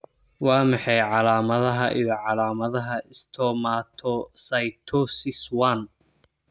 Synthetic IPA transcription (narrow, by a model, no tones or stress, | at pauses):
wɑːmɑħɑjʕɑlaːmɐðɐɦɐʔḭjɔʕɑlaːmɐðɐɦɐʔɪst̪ʰɔːmaːt̪ʰɔsɐjt̪ʰɔsɪswan